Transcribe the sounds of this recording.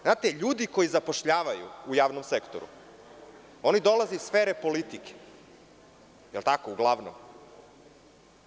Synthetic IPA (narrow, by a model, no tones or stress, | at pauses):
znaːt̪eʎuːd̪iko̞jizapo̞ʃʎaːʋajṵujaːʋnomsekt̪o̰ɾṵ | o̞nid̪o̞lazeisfeːɾepo̞lit̪ike̥ | jelˠt̪akouɡlˠaːʋno̰m